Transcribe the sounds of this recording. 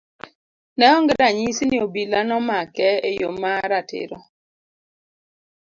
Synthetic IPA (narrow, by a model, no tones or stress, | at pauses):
nɛɔŋɡdaɲisinɪobilanɔmakɛejomaɾatɪ̰ɾɔ